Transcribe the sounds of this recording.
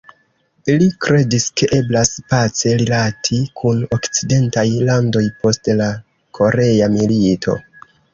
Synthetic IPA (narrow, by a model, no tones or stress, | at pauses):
ilikɾe̞diske̞ʔe̞blaspat͡se̞ɾilatʰikʰuno̞kt͡side̞ntajlando̞jpo̞stla | kʰo̞ɾe̞amiliitʰo̞̰